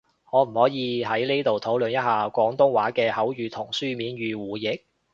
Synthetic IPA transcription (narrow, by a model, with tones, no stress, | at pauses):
ŋɔː˨˧m̩˨˩hɔː˨˥jiː˨˧ɦɐ˨˥jne˥jt̪o˨wt̪ʰo˨˥wlɵ˨˧njɐ˥t̚haː˨kʷɔː˨˥ŋt̪ʊ˥ŋwaː˨˥kɛː˧hɐ˨˥wjyː˨˧t̪ʰʊ˨˩ŋsyː˥miː˨˥nɥyː˨˧wuː˨jɪ˨k̚